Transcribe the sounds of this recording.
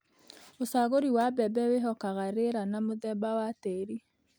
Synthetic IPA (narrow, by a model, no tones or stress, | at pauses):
osaɣoɾiwabɛbɛweɦɔkaɣaɾeɾanamoðɛbawateɾi